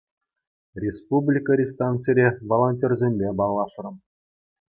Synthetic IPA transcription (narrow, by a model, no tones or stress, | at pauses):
rʲespublʲikəɾʲist̪ɑnt͡sɨɾʲeʋolˠonʲtʲerʲzʲemʲbʲebɑlˠːɑʂrɤ̆m